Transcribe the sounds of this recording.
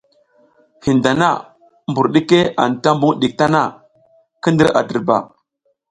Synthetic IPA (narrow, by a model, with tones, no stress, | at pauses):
hi˨nda˨na̰˦˨ | mbu˨ɾɗi˦ke˦a̰˨nta˦mbu˦ŋɗi˨k̚ta˦na˦˨ | kə˦ndə˦ɾa̰˨də˨ɾba̰˨